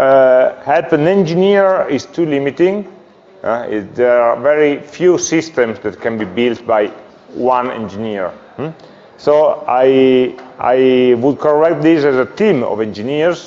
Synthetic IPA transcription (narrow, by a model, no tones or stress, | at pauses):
hɛlpə̃nɛ̃nd͡ʒiniɹist̪ʰulimit̪ĩŋ | d̪ɛavɛɹifjusist̪ɛ̃msd̪ɛt̪kɛ̃nbibilt̪̚baj | wãnɛ̰̃nd͡ʒiniɹ̩ | soajʔa̰jwud̪̚kʰɔɹɛk̚t̪̚d̪isɛzət̪ĩmɔ̰vɛ̃nd͡ʒiniɹs